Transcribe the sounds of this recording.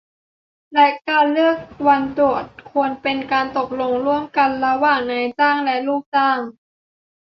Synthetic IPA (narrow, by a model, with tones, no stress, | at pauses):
lɛ˦˥kaː˧nlɯ˥˩ək̚wa˧nt̪u˨˩ət̪̚kʰu˧ənpe˧nkaː˧nt̪o˨˩k̚lo˧ŋɾu˥˩əmka˧nla˧waː˨˩ŋna˧jt͡ɕaː˥˩ŋlɛ˦˥ʔluː˥˩k̚t͡ɕaː˥˩ŋ